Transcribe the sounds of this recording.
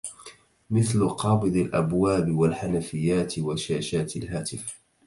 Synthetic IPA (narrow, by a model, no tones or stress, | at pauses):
mɪθlʊqɑːbɨd̪ˤɪlʔabwaːbɪwalħanafɪjːaːt̪ɪwaʃaːʃaːt̪ɪlɦaːt̪ɪf